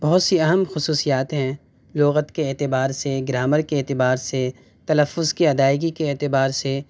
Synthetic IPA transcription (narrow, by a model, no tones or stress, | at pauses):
b̥ɐɦʊt̪siɐɦəmxʊsuːsijaːt̪ɦɛ̃ | loːɣət̪keɛːt̪ɪbaːɾseɡɾaːməɾkeɛːt̪ɪbaːɾse | t̪ɐləfːʊzkiɐd̪aːɪɡikeːt̪ɪbaːɾse